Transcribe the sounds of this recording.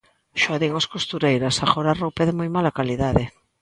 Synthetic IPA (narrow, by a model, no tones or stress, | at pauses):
ʃaðiŋoskost̪uɾejɾasaɣoɾarowpeðemojmalakaliðaðe